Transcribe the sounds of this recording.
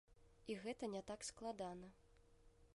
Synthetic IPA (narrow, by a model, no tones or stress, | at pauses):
iɣɛt̪ɐnʲɛt̪aksklˠad̪anɐ